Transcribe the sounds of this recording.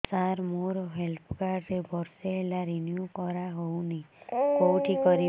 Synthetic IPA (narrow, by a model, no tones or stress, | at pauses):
saɾmoɾɦelpʰkaɾɾebɔɾseːlaɾinjukɔɾaɦownekowʈʰikɔɾi